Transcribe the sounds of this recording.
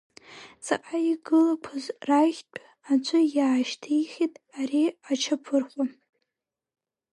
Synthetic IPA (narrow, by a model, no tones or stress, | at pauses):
t͡sʰʼaqʼaiɡɨlakʷʰazraʒʲt͡pʷʼʰ | at͡ʃʷʰʊjaːʃtʰiiχʲitʼaɾiat͡ʃʰapʰɨrχʷa